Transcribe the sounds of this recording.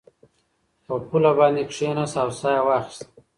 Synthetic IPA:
pəpulabɑːnd̪ekʂenasawsɑjawɑxi̥st̪

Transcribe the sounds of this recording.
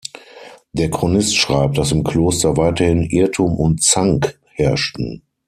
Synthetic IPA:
d̥eːɐkʁ̥onɪstʃʁ̥aɪp̚d̥asɪmkʰl̥oːstɐvaɪtɐhɪnʔɪɐtʰuːmʔʊntt͡saŋk | hɛɐʃtn̩

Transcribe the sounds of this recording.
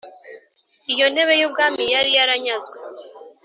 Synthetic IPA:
ijo̞ne̞βe̞jub̚ɡaːmijaɾijaɾaɲazɡwe

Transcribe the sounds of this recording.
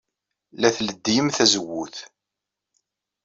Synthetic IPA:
læθləd̪ːijəmθæzəwːuθ

